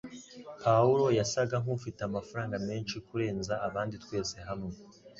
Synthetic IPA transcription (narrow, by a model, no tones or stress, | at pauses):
pʰauɾo̞jasaɡaŋ̥ufiteamafaɾaːŋɡame̞ːnʃikuɾe̞ːnzaːβaːnditwe̞ːse̞ɦamŋe